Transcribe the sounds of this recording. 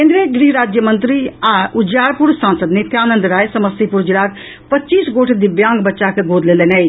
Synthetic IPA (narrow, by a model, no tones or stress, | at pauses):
eːnd̪ɾieɡɾiːɾaːd͡ʒjəmənt̪ɾiaʔʊd͡ʒjaːɾpʊɾsaːnsəd̪net̪ʰjaːnə̃nd̪ɾaːesəməsipʊɾd͡ʒɪlaːk | pətːʃiːsɡoːʈʰd̪ibjãːŋɡbətːʃakʰeɡoːd̪leleːnai